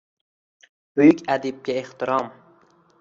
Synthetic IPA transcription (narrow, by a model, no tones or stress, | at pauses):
b̥ʊjʊkʲad̪ɪb̚ɡʲaeht̪ɪɾɑm